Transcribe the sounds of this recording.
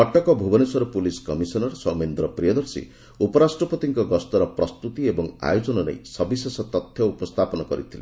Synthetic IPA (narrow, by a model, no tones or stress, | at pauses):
ɔʈɔkɔbʱubɔnesɔɾɔpuliskɔmisɔnɔɾsɔmend̪ɾɔpɾijɔd̪ɔɾsḭ | upɔɾasʈɾɔpɔt̪iŋkɔɡɔst̪ɔɾɔpɾɔst̪ut̪iebɔŋa̰jud͡ʒɔnɔnḛjsɔbisesɔt̪ɔt̪ʰjɔupɔst̪ʰapɔnɔkɔɾit̪ʰilḛ